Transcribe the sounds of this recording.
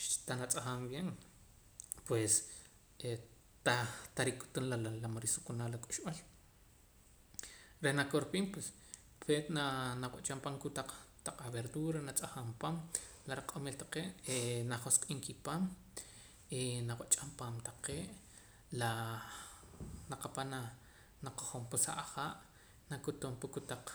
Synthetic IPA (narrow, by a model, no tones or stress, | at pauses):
ʃt̪anat͡sʼaχaːmbjen | pwes | e | t̪at̪aɾikʼu̥t̪unlaalamoɾisukunaːlakʼu̥ʃɓal | ɾehnakoɾpiːmpwes | fet̪nanawaʔt͡ʃʼampaːŋkut̪aq͡χt̪aq͡χaβeɾd̪uɾanat͡sʼaxaːmpaːm | laɾaqʼomiːlt̪ḁqeːʔenaχosqʼiːŋkipaːm | enawaʔt͡ʃʼampaːmt̪aqeːʔ | la | naqapana | naqoχompusa̰ʔaχaːʔ | nakut̪umpukut̪aq͡χ